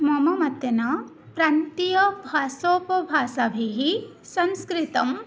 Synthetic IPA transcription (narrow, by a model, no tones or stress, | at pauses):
mɐmɐmɐt̪jɐna | pɾaːnt̪ijɐbʱaːsoːpɐbʱaːsabʱiɦi | sɐnskɾit̪ɐm